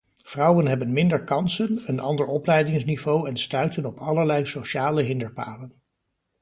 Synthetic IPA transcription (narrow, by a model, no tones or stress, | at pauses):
v̥rɑwənɦɛbənmɪndəɹkɑnsənənʔɑndəɹɔplɛjdɪŋsnivowɛnstœɥtənɔpʰɑləɹlɛjsoʃaːləɦɪndəɹpa̰ːlən